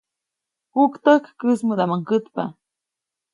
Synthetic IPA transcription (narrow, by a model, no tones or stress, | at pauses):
hukt̪əhkːəsməd̪amaŋkət̪pa